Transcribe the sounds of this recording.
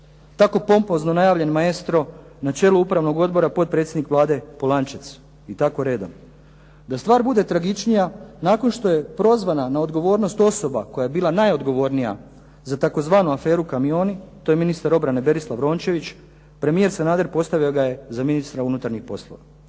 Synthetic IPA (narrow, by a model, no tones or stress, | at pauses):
t̪ako̞po̞mpo̞zno̞najaːʋʎe̞nmaest̪ɾo̞ | nat͡ʃe̞ːluupɾaʋno̞ɡo̞d̪bo̞ɾapo̞t̪̚pɾet̪sjed̪nikʋlˠaːd̪e̞polˠant͡ʃet̪s | it̪ako̞ɾe̞ːd̪om | d̪ast̪ʋaːɾbud̪e̞t̪ɾaɡit͡ʃnijanaːko̞nʃt̪o̞je̞pɾo̞zʋananao̞d̪ɡo̞ʋo̞ːɾno̞st̪o̞so̞bako̞jaje̞biːlˠanajo̞d̪ɡo̞ʋo̞ːɾnija̰ | zat̪ako̞zʋaːnuafe̞ːɾukamio̞ːnit̪o̞je̞minist̪aɾo̞bɾane̞be̞ɾislˠaʋɾo̞ːnt͡ʃe̞ʋit͡ɕ | pɾe̞mije̞ɾsenaːd̪eɾpo̞st̪aʋio̞ɡaje̞zaminist̪ɾaunut̪aɾɲixpo̞slˠo̰ʋa̰